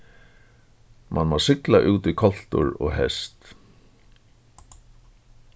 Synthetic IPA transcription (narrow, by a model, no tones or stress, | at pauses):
mʔanmasɪklaʔuːt̪ɪkʰɔl̥t̪ʊ̰ɹɔ̰ɣɦɛst̪